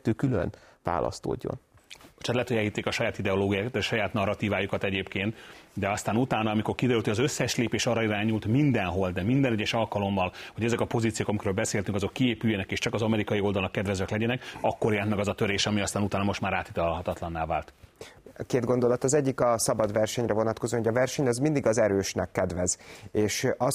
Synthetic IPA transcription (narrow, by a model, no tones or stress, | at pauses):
t̪ːøːkylø̰nva̰ːlʔɒ̰st̪o̰ːɟːo̰noʃat̪lɛt̪oɟɛlit̪ːeːkɒʃɒjaːt̪id̪ɛoloːɡijaːkt̪ʃɒjaːt̪nɒrːɒt̪iːvaːjukɒt̪ɛɟeːpkeːnt̪d̪ɛɒst̪aːnut̪aːnɒːmiko̞rkid̪ɛɾyːlt̪iɒzø̞sːɛʃleːpeːʃɒɾːɒiɾaːɲult̪mind̪ɛnɦo̞ld̪ɛmind̪ɛnɛɟːɛʃɒlkɒlo̞mːɒlho̞ɟɛzɛkɒpo̞ziːt̪sijoːkɒmikɾøːlbɛseːlt̪yŋkɒzo̞kːieːpyjːɛnɛkeːʃt͡ʃɒkɒzɒmɛɾikɒio̞ld̪ɒlnɒkːɛd̪vɛzɛklɛɟɛnɛkɒkːo̞rjɛlɛnt̪mɛɡɒzɒt̪ø̞ɾeːʃɒmiɒst̪aːnut̪aːnɒmo̞ʃt̪maːɾaːt̪it̪ɒlɦɒt̪ɒt̪lɒnːaːvaːlt̪ | keːd̪ɡo̞nd̪o̞lɒt̪ɒzɛɟːikɒsɒbɒd̪vɛrʃɛɲrɛvo̞nɒt̪kozonoɟɒvɛrʃɛɲɒzmind̪iɡɒzɛɾøːʃnɛkːɛd̪vɛzeːʃɒ